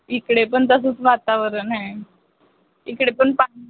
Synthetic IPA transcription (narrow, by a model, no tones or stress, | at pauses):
ikɽepəɳt̪əs̬ət͡sʋat̪aʋəɾənɦɛ̃ | ikɽepəɳpa